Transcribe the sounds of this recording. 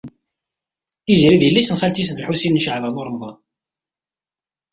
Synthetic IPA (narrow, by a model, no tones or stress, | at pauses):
izɾiðiəlːisənfælt̪isd̪lħusinnʃəʕvænoɾˤmðˤɑn